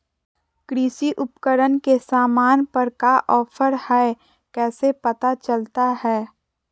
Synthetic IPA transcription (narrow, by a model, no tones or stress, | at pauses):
kɾisiʔʊpkəɾənkesaːmaːnpəɾkaʔɔːpʰəɾhɛ | kɛːsepət̪at͡ʃəlt̪ahɛː